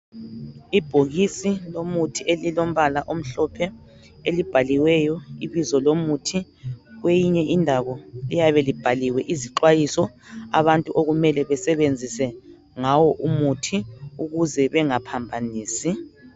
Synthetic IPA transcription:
ib̥ʱoɣisilomutʰielilom̩βalaʔom̩ɬɔpʰɛ | elib̥ʱaliwɛjɔiβizɔlomutʰi | ɣwejiɲɛʔindʱaβɔlijaβɛlib̥ʱaliwɛʔiziǃwajisɔa̰βantʼuʔoɣumɛlɛβɛsɛβend͡zʱisɛ | ŋawɔʔumutʰiuɣuzɛβɛŋapʰambʱaniːsi

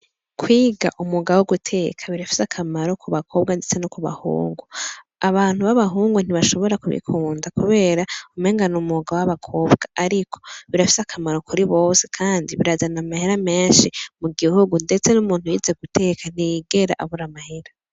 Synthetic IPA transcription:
kʰwiːɡa̰ʔumuɡawoɡutʰe̞kʰaβiɾafi̥sakʰamaɾo̞kʰuβakʰo̞ːβɡandet͡se̞nokuβa̰hṵːŋɡu | aβaːn̥huβaβaɦuːŋɡun̥iβaʃo̞βo̞ɾakuβḭkʰuːndakuβe̞ːɾaumeːŋɡanumuɡawaβakʰo̞ːβɡ̥aaɾikʰo̞̥βiɾafi̥sakʰamaɾo̞kuɾiβo̞ːsekʰaːndiβiɾazanamahe̞ɾame̞ːnʃimuɡihuɡunde̞t͡se̞numuːnhujiːze̞ɡutʰe̞ːkʰan̥ijɡe̞ɾa̰ʔaβuɾamahe̞ɾa

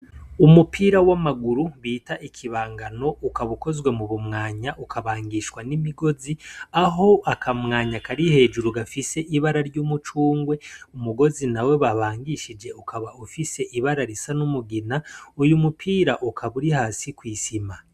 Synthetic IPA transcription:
umupʰiːɾawamaɡuɾuβiːtaʔikʰiβaːŋɡano̞ʔukaβuko̞zwe̞muβumŋaːɲaʔukʰaβaːŋɡiʃkwanimiɡo̞ziaɦo̞ʔakʰamŋaːɲakaɾihe̞ːd͡ʒuɾuɡafise̞ʔiβaɾaɾɟuːmut͡ʃuːŋɡwe̞umuɡo̞zinawe̞βaβaːŋɡiʃid͡ʒe̞ukʰaβaufise̞ʔiβaɾaɾisanumuɡinaujumupʰiːɾaʔukʰaβuɾihaːsikwiːsima

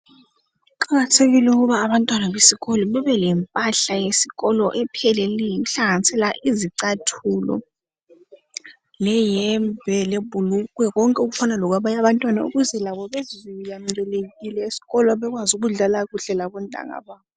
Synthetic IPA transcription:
uǃaɣatʰeɣilɛuk̬uβaːβantʼwanaβesiɣɔlɔɓɛβɛlɛmpʼaɬajesi̥ɣɔlɔʔɛpʰɛlɛlijiuɬaɣanisɛlaʔiziǀatʰulɔ̰ | lɛjɛmbʱɛlebʱuluk̬wɛɣɔŋkʼɛukufanalɔk̬waɓajaβantʼwanaṵɣuzɛlaβɔβezijam̩dʼɛlekilɛesi̥ɣɔlɔβɛk̬wazuɣ̬uɮalakuɬɛlaɓɔndʱʼa̰ŋa̰ɓaːɔ

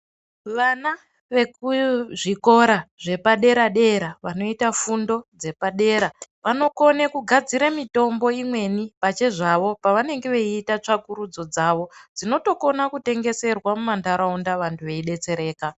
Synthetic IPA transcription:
ʋana | ʋe̞kuʐiko̞ɾaʐe̞paɗe̞ɾaɗe̞ɾaʋano̞itafundo̞d͡ze̞paɗe̞ːɾaʋano̞ko̞nekuɡʱad͡ziɾamito̞mbo̞imwe̞nipat͡ʃe̞ʐaʋo̞paʋane̞ŋɡe̞ʋeiːtat͡ʂakuɾud͡zo̞d͡zaːʋo̞d͡zino̞to̞ko̞nakute̞ŋɡe̞se̞rwamumandaɾaundaʋantʰuʋe̞iɗe̞t͡se̞ɾe̞ːka

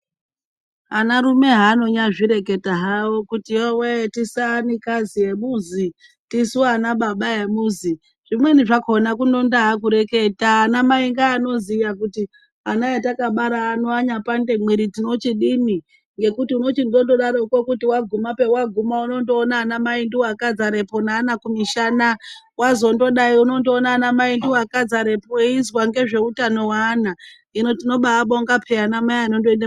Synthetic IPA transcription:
anaɾume̞ɦaːno̞ɲaʐiɾe̞ke̞taɦawokutiwewetisanikazije̞muzi | tisuoanaɓaɓajemuːzi | ʐ̥imwe̞niʐakonakuno̞ndaɦak̬uɾe̞ke̞taːnamaiŋɡaːno̞zijak̬uti | anaetakaɓaɾaːnoaɲapande̞mwiɾitino̞t͡ʃiɗini | ŋɡe̞kutiuno̞t͡ʃindo̞ndo̞ɗaɾoko̞kutiwaɡʱumape̞waɡʱumauno̞ndo̞ːnaːnamaindiwakad͡zaɾe̞po̞naːnakumiʃanawazo̞ndo̞ɗaiuno̞ndo̞ːnaːnamaindiwakad͡zaɾe̞poeizwaŋɡe̞ʐe̞utano̞waːna | ino̞tino̞ɓaːɓoŋɡapʰeanamaiano̞ndoenda

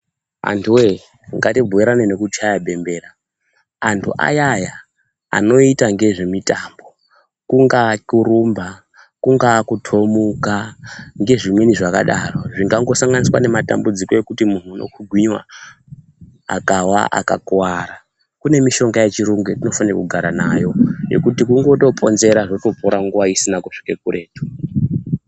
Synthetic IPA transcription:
a̰ntʰuwe | ŋɡatib͡vʱuiɾanine̞kut͡ʃajabʱe̞mbe̞ːɾaː | ntʰṵʔa̰jaja | a̰no̞itaŋɡe̞ʐe̞mitambo̞ | kuŋɡakurumba | kuŋɡakutʰo̞mukaŋɡe̞ʐimweniʐakaɗaro̞ʐiŋɡaŋɡo̞saŋɡaniswane̞mata̰mbud͡ziko̞e̞kutimun̤uuno̞̰kʰuɡʱwiɲwa̰ | a̰kawa̰ʔa̰kakwaɾa | kune̞miʃo̞ŋɡajet͡ʃiɾuŋɡetino̞fanra̰kuɡʱaɾana̰jo̞je̞̰kutikuŋɡo̞to̞pʼo̞nze̞ɾaʐoto̞poɾaŋɡuʋaisinakuʂi̥kekure̞ːtu̥

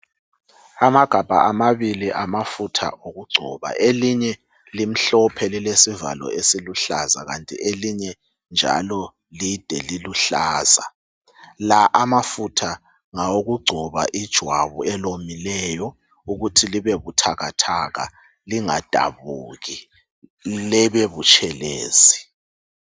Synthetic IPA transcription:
amaɡ̥ʱab̥ʱa̰ʔamaβiliʔamafutʰa̰ʔoɣuɡ͡ǀʱɔ̰βa̰ʔeliɲɛ | lim̩ɬɔpʰɛlilesiva̰lɔ̰esiluɬaza̰ɣa̰ntʼḭʔeliɲɛ | nd͡ʒʱa̰lɔ | lid̥ʱɛ̰liluɬaːza | laʔamafutʰa | ŋaoɣuɡ͡ǀʱɔβa̰ʔid̥ʒ̥ʱwaβuɛlomilɛjɔ | uɣutʰiliβeβutʰaɣa̰tʰaɣa̰ | liŋa̰d̥ʱa̰βuɣi | lɛβeβut͡ʃʼʰɛlḛːzi

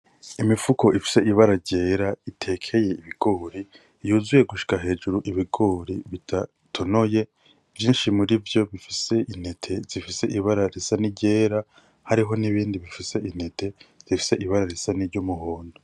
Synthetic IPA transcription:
imifuko̞ʔifi̥se̞ʔiβaɾaɟe̞ːɾaitʰe̞ːkʰe̞je̞iβiɡ̥o̞ːɾi | juːzuje̞ɡuʃi̥kaɦe̞ːd͡ʒuɾuʔiβiɡo̞ɾiβitʰa | tʰo̞no̞je̞ | v̥jiːnʃimuɾivjo̞βifise̞ʔin̥e̞tʰe̞zifise̞ʔiβaɾaɾesaniɟe̞ːɾa | haɾiɦo̞niβiːndiβifise̞ʔin̥e̞te̞z̥ifi̥se̞ʔiβaɾaɾe̞saniɾɟomuɦoːndo

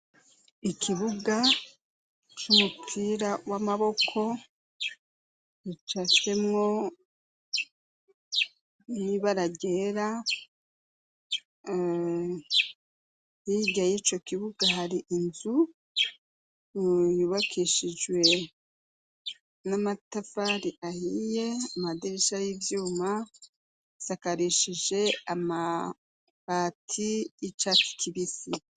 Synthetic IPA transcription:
ikʰiβuɡa | t͡ʃumupʰiːɾawamaβo̞kʰo̞ | it͡ʃat͡ʃe̞mŋo̞ | niβaɾaɟe̞ɾa | jiɟajit͡ʃo̞kiβuɡahaɾiʔinzu | juβakʰiʃid͡ʒwe̞ | namatafaɾiʔahije̞amadiɾiʃajivjuːma | sakaɾiʃiʒe̞ama | βatʰiit͡ʃaki̥kʰiβisi

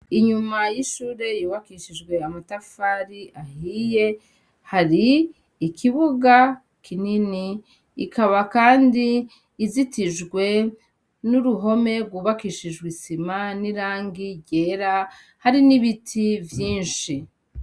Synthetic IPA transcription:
iɲumajiʃuːɾe̞juːβakiʃiʒɡwe̞amatafaːɾiahije̞ | haɾiː | kʰiβuɡa | kʰininiː | kʰaβakaːndiː | zitiʒɡwe̞ | nuɾuɦo̞me̞ɾɡwuːβakiʃiʒɡwisimaniɾaːŋɡiɟe̞ːɾa | haɾiniβitʰivjiːnʃi

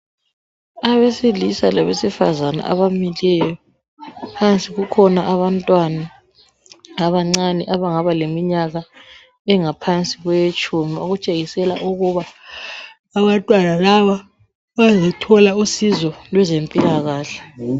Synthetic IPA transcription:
aβesilisalaβesifa̰zana̰ʔa̰βamilɛjɔ | pʰant͡sʼiɣukʰɔnaʔaβantʼwana | aβaŋ͡ǀanɛʔaβaŋaβalemiɲaɣa | ɛŋapʰant͡sʼiɣwɛjet͡ʃʼʰumioɣut͡ʃʼeɣisɛlaʔuɣuβaː | βantʼwanalaβa | βazɔtʰɔlausizɔlwɛzempʼilaɣaːɬɛ̥

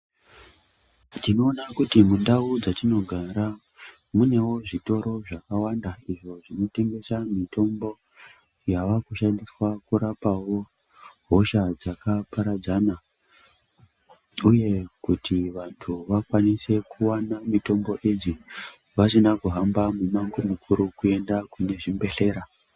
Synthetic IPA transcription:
tino̞ːnakutimundaud͡zatino̞ɡʱaɾa | mune̞wo̞ʐito̞ɾo̞ʐakawandaiʐo̞ʐino̞te̞ŋɡe̞samito̞mbo̞ | jaʋakuʃandiswakuɾapawo̞ | ɦoʃad͡zakapaɾad͡zana | uje̞kutʰiʋantʰuʋakwanise̞kuwanamito̞mbo̞ʔed͡zi | ʋasinakuɦambamumaŋɡomukʰuɾukue̞ndakune̞ʐimbe̞ɬe̞ɾa

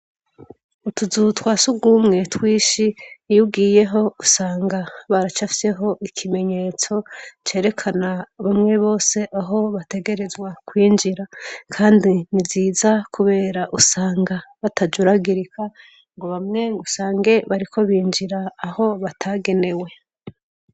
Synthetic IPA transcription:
utuzutwasuɡumŋe̞twiːʃijubɡiːje̞ɦo̞usaːŋɡaβaɾat͡ʃafi̥se̞ɦo̞ʔikʰime̞ɲe̞ːt͡so̞t͡ʃe̞ːɾe̞kʰanaβamŋe̞βo̞ːse̞ʔaɦo̞βate̞ɡe̞ɾe̞zwakwiːnd͡ʒiɾakʰaːndiniziːzakʰuβe̞ːɾaʔusaːŋɡaβatad͡ʒuɾaɡiɾikʰa | ŋɡo̞βamŋe̞ŋɡusaːŋɡe̞βaɾiko̞βiːnd͡ʒiɾaːho̞βatʰaɡe̞ne̞we̞

